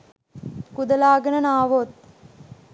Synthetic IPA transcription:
kud̪əlaːɡənənaːʋot̪̚

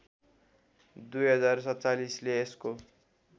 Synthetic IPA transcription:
d̪ujɦʌd͡zarsʌt͡salisleːsko

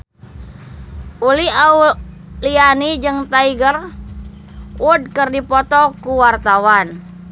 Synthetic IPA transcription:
ʔuliau | lianid͡ʒɨŋt̪aiɡər | ud̚kərdipɔt̪ɔkuwart̪awan

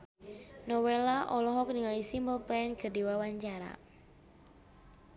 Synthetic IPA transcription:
nɔwelaʔɔlɔɦɔk̚niŋalisimbəlpɛɛnɡ̥ə̤diwawaɲt͡ʃaɾa̰

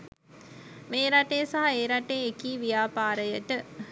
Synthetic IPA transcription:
meːɾaʈejsaɦaeːɾaʈeːkiːʋijaːpaːɾəjəʈə

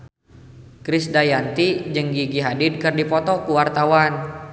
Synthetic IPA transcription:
kɾɪsdajant̪id͡ʒəŋɡiɡiɦadɪd̚kərdipɔt̪ɔkuwart̪awan

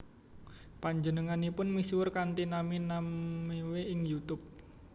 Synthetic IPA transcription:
paɲd͡ʒənəŋanipʊnmiswʊrkant̪inaminamːiweʔɪŋjut̪ʊp̚

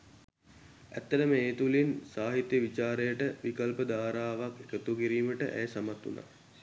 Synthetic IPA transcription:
æ̰t̪ːɐɖəməeːt̪ulinsaːɦit̪jəʋit͡ʃaːɾejəʈəʋikəlpəd̪aːɾaːʋakekət̪uɡiɾiːməʈə̰ʔæ̰jsamat̪ːṵna̰ː

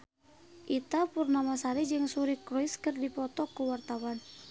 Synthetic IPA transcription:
ʔit̪apurnamasaɾid͡ʒɨŋsuɾikrɔiskɨrdipɔt̪ɔkuwart̪awan

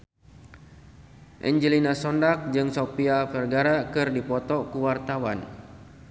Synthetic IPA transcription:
ʔɛ̰ɲd͡ʒəlinasɔndak̚d͡ʒɨŋsopiafɛrɡaɾakɨrdipɔt̪ɔkuwart̪awan

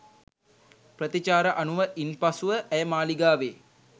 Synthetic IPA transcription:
prət̪it͡ʃaːɾəʔanuʋəʔinpasuʋəʔæjəmaːliɡaːʋeː

